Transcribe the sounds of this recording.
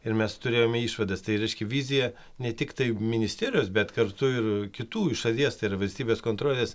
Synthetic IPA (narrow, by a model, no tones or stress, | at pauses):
ɪɾmʲɛst̪ʊɾʲeːjoːmʲɛiːʃʋɐd̪ɐst̪ɐɪɾʲɛɪʃʲkʲɛʋʲizʲɪjɛ | nʲɛt̪ʲɪkt̪ɐɪmʲɪnʲɪsʲt̪ʲeːɾʲɪjoːsbʲɛt̪kɐɾt̪ʊɪrkʲɪt̪uːʃɐlʲiɛst̪ɐɪiɾɐʋɐlʲsʲt̪ʲiːbʲeːskoːnt̪ɾoːlʲeːs